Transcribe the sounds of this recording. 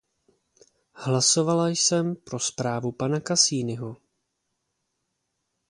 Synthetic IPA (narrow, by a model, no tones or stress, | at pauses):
hlaso̞valajsɛmpɾo̞spɾaːvupanakasiːnɪɦo